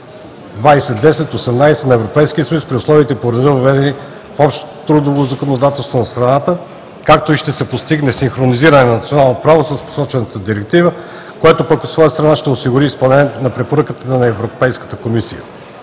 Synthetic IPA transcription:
d̪vajsɛd̪ɛsɛt̪osɛmnajsɛ̥nɐɛvɾopɛjsk̟iəsəjuspɾiʊslˠɔviːt̪ɛpoɾɐzivɐvɛd̪ɛni | fɔpʃt̪o̥t̪ɾud̪ovozɐkonod̪at̪ɛlˠst̪vonɐst̪ɾɐnat̪ə | kak̚t̪oiʃt̪ɛsɛpost̪iɡnɛsiŋxɾoniziɾənɛnɐnɐt̪sionalˠnopɾavosəspo̥sɔt͡ʃvɛnət̪əd̪iɾɛk̚t̪ivə | koɛt̪opəkot̪svɔjəst̪ɾɐnaʃt̪ɛosiɡʊɾiːspɐlˠnɛnɐpɾɛpoɾɤkət̪ənɐɛvɾopɛjskə̥t̪əkomisijə̰

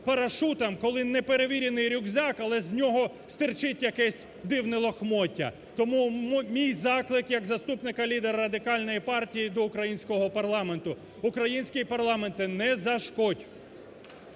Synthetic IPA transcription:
pɐɾɐʃut̪ɐmkɔlˠɪnɛpeɾeʋʲiɾʲɪnɪjɾʲʊɡzʲɑkɐlˠɛzʲnʲɔɦɔ | st̪ɪrt͡ʃɪtʲjɐkɛsʲ | d̪ɪwnɪlˠɔxmɔtʲːɐ̰ | t̪ɔmummʲijzɑklˠɪkjɐɡzɐst̪upnɪkɐlʲid̪eɾɐɾɐd̪ɪkɑlʲnɔjipɑrtʲijid̪ɔʊkɾɐjinʲsʲkɔɦɔpɐrlˠɑme̞nt̪ʊ | ʊkɾɐjinʲsʲkɪipɐrlˠɑme̞nt̪ɪnɛzɐʃkɔdʲ

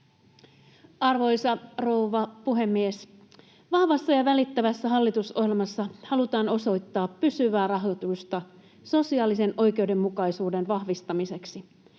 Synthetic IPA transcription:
ɑrʋo̞jsɑro̞uʋɑpuɦe̞mːies | ʋɑhʋɑsːɑjɑʋælit̪ːæʋæsːæɦɑlːit̪uso̰hilmɑsːɑhɑlut̪ɑːno̞so̞jt̪ːɑːpːysyʋæːrɑɦot̪ust̪ɑ | so̞siɑːlise̞nʔo̞jk̟e̞uwde̞mːukɑjsuːde̞nʋɑhʋist̪ɑmise̞ksi

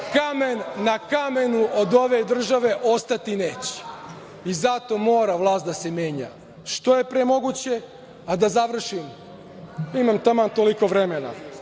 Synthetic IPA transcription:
kamenːakame̞nuʔod̪o̞ʋe̞d̪r̩ʒaʋe̞ʔo̞st̪at̪ineːt͡ɕe̥ | izat̪o̞mo̞ːɾaʋlˠaːst̪d̪ase̞mjeːɲa̰ | ʃt̪o̞je̞pɾemo̞ɡut͡ɕe̞ | ad̪azaʋr̩ʃim | imamt̪amant̪oliko̞ʋɾemena̰

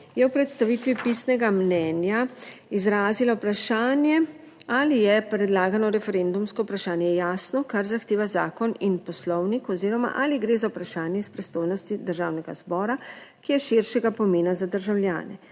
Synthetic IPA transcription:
jɛwpɾɛt̪st̪aʋit̪ʋipisnɛɡamnɛːnjaizɾaːzilaupɾaʃaːnjɛ | alijɛpɾɛd̪laːɡanɔɾɛfɛɾeːnd̪umskɔwpɾaʃaːnjɛjaːsnɔkaɾzaxt̪eːʋazaːkɔninpɔslɔwnikɔziːɾɔma̰ʔaːliɡɾeːzawupɾaʃaːnjɛispɾɛst̪oːjnɔst̪id̪əɾʒaːwnɛɡa̰z̥bɔːɾakijɛʃiɾʃɛɡapɔmeːnazad̪əɾʒawlja̰ːnɛ̰

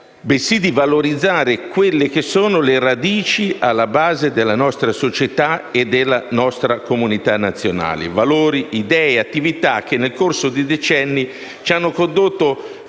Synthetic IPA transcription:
besid̪ivaloɾid̪zːaːɾɪkwelːɪk̟esoːnoleɾad̪iːt͡ʃialːabaːzed̪elːanɔst̪ɾasot͡ʃet̪aed̪elːanɔst̪ɾakomunit̪anːat̪sːjona̰ːlɪ̰valoːɾiʔid̪ɛːeat̪ːivit̪ak̟ːenːelkorsod̪id̪et͡ʃɛnːi | t͡ʃanːokond̪ot̪ːo

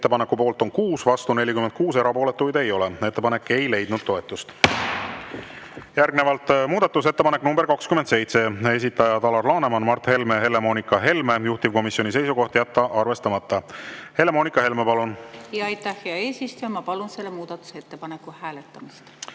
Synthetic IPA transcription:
et̪ːe̞pɑnekːupo̞ːlt̪o̞nkuːsvɑst̪une̞lʲːikymend̪̥̚kuːse̞ɾɑpo̞ːle̞t̪ːujd̪e̞jo̞lee̞t̪ːe̞pɑne̞kːe̞jle̞jd̪̥nud̪̥̚t̪o̞e̞t̪ːˑust̪ | jærɡne̞vɑlt̪ːˑmuːd̪ɑt̪ːˑuse̞t̪ːe̞pɑne̞knumberkɑkskymːend̪se̞jt̪se̞e̞s̬ʲit̪ːˑɑjɑt̪ɑlɑrlɑːnemɑnmɑrt̪he̞lme̞ɦe̞le̞mo̞nikːˑɑɦe̞lmejuht̪iv̥ko̞misjo̞nis̬e̞jsuko̞ht̪jæt̪ːɑʔɑrve̞st̪ɑmɑt̪ˑːɑhe̞le̞mo̞ːnʲikːˑɑhe̞lmepɑlunjɑɑjt̪ːæhheɑeːsist̪ujɑmɑpɑlunse̞lːemuːd̪̥ɑt̪ːˑu̥set̪ːepɑnekːˑuhæːlet̪ˑːɑmist̪

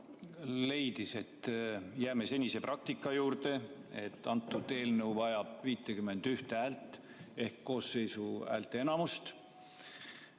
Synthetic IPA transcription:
le̞jd̪̥ise̞t̪ːjæːme̞se̞nʲise̞prʔɑk̚t̪ikːˑɑjuːɾt̪e̞e̞t̪ːˑɑnt̪ːˑud̪̥e̞ːlnəwvɑjɑb̥viːt̪ˑːekyme̞nd̪̥yht̪æːlt̪ˑː | e̞hkːo̞ːsːe̞jsuæ̰ːlt̪eenɑmust̪

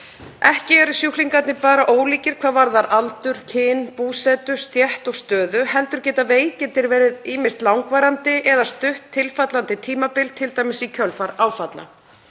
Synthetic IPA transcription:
ɛhcɪɛɾʏsjuhliŋkat̪nɪpaːɾaʔoːwliːcɪɾ̥kʰv̥aːðvaɾðaɾalt̪ʏɾ̥cʰɪnpuːsɛt̪ʏ̥st̪jɛht̪ɔɣst̪œːðʏhɛlt̪ʏɾ̥cɛːt̪aveːjcɛnt̪ɪɾvɛːɾɪðiːmɪr̥t̪lawŋkvajɾant̪ɪʔɛðast̪ʏht̪ʰːɪlfat̪lant̪ɪt̪ʰiːmapɪlt̪ʰɪlt̪aːjmɪsicʰœlfaɾaːwfat̪la̰

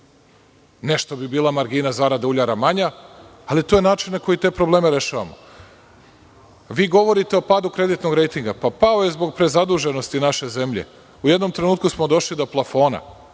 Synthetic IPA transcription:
ne̞ʃt̪o̞bibiːlˠamaɾɡiːnazaɾad̪auʎaɾamaɲaːlit̪ojenaːt͡ʃinnakojit̪e̞ːpɾo̞ble̞ːmeɾe̞ʃaːʋa̰mo | ʋiːɡo̞ʋo̞ɾit̪e̞o̞paːd̪ukɾe̞d̪it̪no̞ɡɾe̞jt̪iŋɡapapao̞jezbo̞ɡ̚pɾe̞zad̪uʒe̞no̞st̪inaʃe̞ze̞mʎe̞̰ | uje̞d̪no̞mt̪ɾe̞nuːt̪̚kusmo̞d̪o̞ʃlid̪o̞plˠafo̞ːna̰

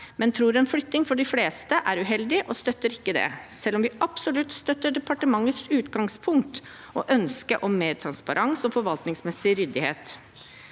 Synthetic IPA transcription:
mɛnt̪ʰɾuːɾɛnflʏt̪ːɪŋfɔɖɪfleːst̪əʔæɾʉɦɛld̪ɪʔɔst̪œt̪ːəɾɪkːəd̪ɛ̰sɛlːɔmʋɪʔɑpsɔlʉt̪st̪œt̪ːəɖɛpʰɑʈəmɑŋːət̪sʉːt̪ɡɑŋspʰʊŋkt̪ | ɔ̰ʔœnskəɾʔɔmːeːɾt̪ʰɾɑnspɑɾʔɑŋsɔfɔɾʋɑlt̪nɪŋsmɛsɪɾʏd̪ɪhḛːt̪

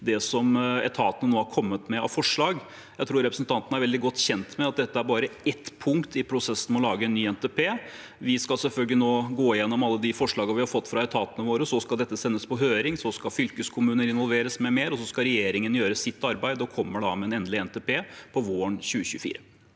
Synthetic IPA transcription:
d̪ɛsɔmɛ̰t̪ʰɑːt̪ənənoːhɑɾkʰɔmːət̪mɛɑ̰ʋfɔʂɭɑːɡ | jæɪt̪ʰɾuːɾɛpɾəsnt̪ʰɑnt̪ənəæɾʋɛld̪ɪɡɔt̪ːçɛnt̪mɛɑt̪̚d̪ɛt̪ːəæɾbɑːɾəɛt̪ːpʰʊŋkt̪ɪpʰɾʊsɛsən̩ɔlɑːɡəɛnːyːɛnt̪ɛːpʰeː | ʋɪskɑlsɛlfœlɡəlɪnoːɡoːɪjɛnːɔmɑlːəd̪ɪfɔʂɭɑːɡəʋɪhɑɾfɔt̪ːfɾɑɛt̪ʰɑːt̪ənəʋoːɾəsɔskɑld̪ɛt̪ːəsɛnːəspɔɦøːɾɪŋsɔskɑfʏlkəskʰʊmʉːnənɪnʋɔlʋeːɾəsmɛmeːɾɔs̬ɔskɑɾɛjeːɾɪŋənjøːɾəsɪt̪ːɑɾbæɪd̪ɔkʰɔmːəɖɑ̰mɛɛnɛnd̪lɪɛnt̪eːpeːpʰɔʋoːəɳɕʉːəɕʉːfḭːɾə

